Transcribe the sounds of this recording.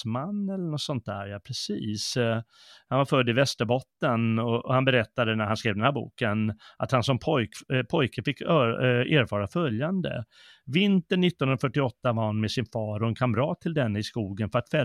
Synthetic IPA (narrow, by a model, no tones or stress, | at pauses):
manːɛlːəɳɔsɔnt̪̚d̪æ̰ːɾjɑpʰɾɛsiːs | hanvaɾfœd̪ːɪvɛst̪əɾbɔt̪ːənɔɔhanbɛɾɛt̪ːad̪ənæɾhanskɾeːvd̪ɛnhæɾbṵːkənʔa̰t̪hansɔmpʰɔjkpʰɔjkəfɪkːøeːɾfɑːɾafœljand̪ə̰ | vɪnt̪əɳːɪt̪ːɔnɾafœʈːɪɔt̪ːavaɾhanmɛsɪnfɑːɾɔɛnkʰamɾɑːt̪ʰːɪld̪ɛnːɪskuːɡənfœɾat̪fɛ